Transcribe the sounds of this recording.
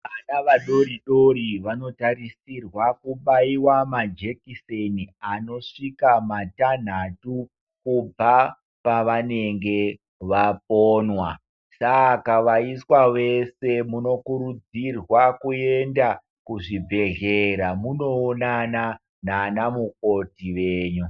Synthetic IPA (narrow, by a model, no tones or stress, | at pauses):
anaʋaɗo̞ɾiɗo̞ɾiʋano̞taɾisirwakuɓaiwamad͡ʒe̞kiseniano̞ʂikamatan̤atu | kub͡va | paʋaneŋɡe̞ | ʋap̚oːnwa | sakaʋaiswawe̞se̞muno̞kuɾud͡zirwakue̞nda | kuʐibʱe̞ɮeɾamuno̞ːnana | naːnamuk̚o̞tiʋe̞ːɲu